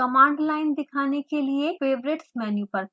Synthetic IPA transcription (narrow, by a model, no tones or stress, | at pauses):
kɐmãːɳɖlaːɪnd̪ɪkʰaːnekeliefeːʋɾɪʈsmɛːnjupɐɾ